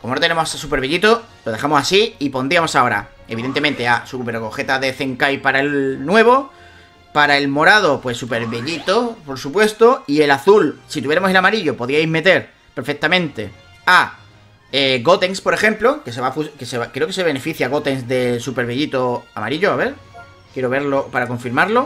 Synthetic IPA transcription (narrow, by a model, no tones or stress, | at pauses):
komonot̪eemossupe̞ɾβeʎit̪o̞ | lo̞ðexamo̞sasiipo̞nd̪ɾiamo̞sao̞ɾa̰ | e̞β̞iðent̪e̞ment̪e̞asupe̞ɾɣo̞xe̞t̪aðe̞θe̞ŋkajpaɾaelnwe̞β̞o̞ | paɾae̞lmo̞ɾað̞o̞pwe̞supe̞ɾβeʎit̪o̞po̞ɾsupwe̞st̪o̞ie̞laθulsit̪uβjeɾamo̞selamaɾiʎo̞po̞ðiajzme̞t̪e̞ɾ | peɾfe̞k̚t̪amẽ̞nt̪e̞ | a | eɣo̞t̪e̞ŋspo̞ɾe̞xe̞mplo̞ke̞seβafuskeseβakɾeo̞ke̞se̞β̞e̞ne̞fiθjaɣo̞t̪e̞ŋsðe̞supe̞ɾβeʎit̪o̞a̰ma̰ɾiʎo̞aβe̞ɾ | kje̞ɾo̞βe̞ɾlo̞paɾako̞ɱfiɾmaɾlo̞